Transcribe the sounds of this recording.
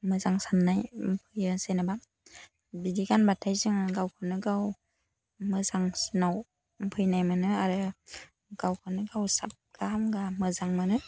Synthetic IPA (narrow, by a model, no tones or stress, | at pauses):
mɯzaŋsanːajmpʰɯjɯsenaba | bidiɡanbatʰajzɯŋɡawkʰɯnɯɡaw | mɯzaŋsnaw | mpʰɯjnajmanɯaɾɯ | ɡ̥awkʰɯnɯɡawsa̰p̚ɡ̥aamɡamɯzaŋmanɯ